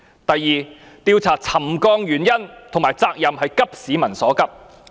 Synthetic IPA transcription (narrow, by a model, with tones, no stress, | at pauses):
t̪ɐ˨jːiː˨˧ | t̪iː˧wt͡sʰaː˨˩t͡sʰɐ˨˩mkɔː˧ŋjyː˨˩njɐ˥nt̪ʰŋmaː˨˩jt͡saː˧k̚jɐ˨mhɐ˨jkɐ˥p̚siː˨˧˥mɐ˨˩nsɔː˨˥kɐ˥p̚